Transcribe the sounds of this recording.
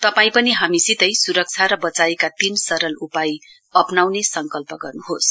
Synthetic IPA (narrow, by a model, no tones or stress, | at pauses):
t̪ʌpaĩpʌniɦamisit̪ʌjsuɾʌk̚t͡sʰaɾʌbʌt͡saekat̪insʌɾʌlupaj | ʌpnawnesʌŋkʌlpʌɡʌrnuɦos